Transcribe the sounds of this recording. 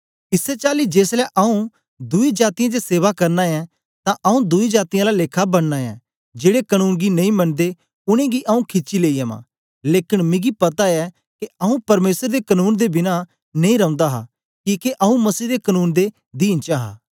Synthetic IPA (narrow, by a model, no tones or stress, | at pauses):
ɪsːɛt͡ʃaːlid͡ʒeːslɛʔɐũ | d̪ʊid͡ʒaːt̪ijãd͡ʒeseːʋakɐɾnaɛ̃ | t̪ãʔɐũd̪ʊid͡ʒaːt̪ijãlaleːkʰabɐɽnaːɛ̰̃ | d͡ʒeːɽekɐnuːnɡinɐ̃ĩmɐnd̪e | ʊɽ̃ẽɡiʔɐũkʰɪt͡ʃileːijamã̰ː | leːkɪnmɪ̃ɡipɐt̪aɛ | keɐũpɐɾmeːsəɾd̪ekɐnuːnd̪ebɪna | nɐ̃ĩɾɐ̃ʊ̃nd̪aɦa̰ | kiːkeʔɐũmɐsiːd̪ekɐnuːnd̪e | d̪iːnt͡ʃaːɦa̰ː